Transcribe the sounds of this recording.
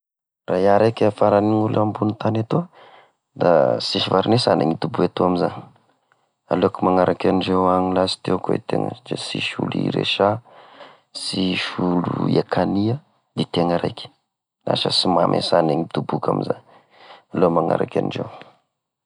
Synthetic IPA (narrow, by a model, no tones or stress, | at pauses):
rajaɾajkʲəfaɾaniŋulambunit̪anat̪u | d̪asiʃivaɾinesanḛŋid̪ubuet̪oamizan | alokumaŋaɾakʲanɖ͡ʐewaŋilasi̥t̪eko̰t̪eŋə̰d͡ʒḛsiʃṵliɾḛʃa | siʃulṵekʰaniə | d̪et̪eŋəɾajkʲi̥ | la̰ʃə̰simamʔḛsaneŋid̪ubuka̰mizan | alomaŋa̰ɾakʲa̰nɖ͡ʐḛw